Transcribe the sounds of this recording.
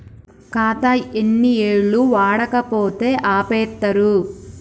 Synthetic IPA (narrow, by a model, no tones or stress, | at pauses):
kaːt̪ɐenːieːɭːuʋaːɽɐkɐpo̞ːt̪e̞ːʔaːpɛːt̪ːɐɾu